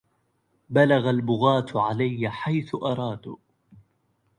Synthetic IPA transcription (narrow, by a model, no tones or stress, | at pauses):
balaɣalbʊɣaːt̪ʕalajːaħajθʊʔɑɾˤɑːd̪